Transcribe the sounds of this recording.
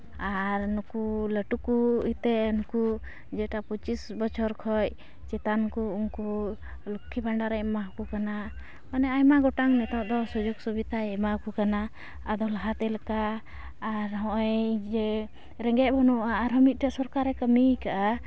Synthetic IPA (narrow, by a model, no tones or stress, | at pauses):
aɾnukuləʈukuit̪ɛʔnuku | d͡ʒɛʈaput͡ʃisbɔt͡ʃʰɔɾkʰɔj | t͡ʃɛt̪ankuunku | lukʰːibaɳɖaɾɛmaɦukukana | manɛajmaɡɔʈaŋnɛt̪ɔ̃ʔd̪ɔsud͡ʒɔɡsubit̪aɛmaɦukukanaː | d̪ɔlaɦat̪ɛlakaː | ɾɦɔ̃ʔɔjd͡ʒɛ | ɾɛŋɡɛˀbʱɔnɔʔaːɾɦɔmit̪̚ʈaʔsɔɾkaɾɛkəmikaʔa